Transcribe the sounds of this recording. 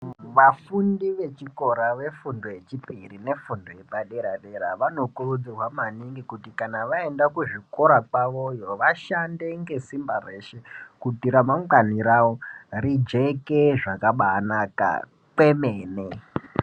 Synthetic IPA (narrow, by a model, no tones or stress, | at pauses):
ʋafundiʋe̞t͡ʃiko̞ɾaʋe̞fundo̞je̞t͡ʃipirine̞fundo̞je̞paɗe̞ɾaɗe̞ɾaʋano̞kurud͡zirwamaniŋɡikutikanaʋae̞ndakuʐiko̞ɾakwaʋo̞jo̞ʋaʃande̞ŋɡe̞simbare̞ʃe̞kutiɾamaŋaniɾaworid͡ʒe̞keʐakaɓanaka̰ | pe̞me̞ːne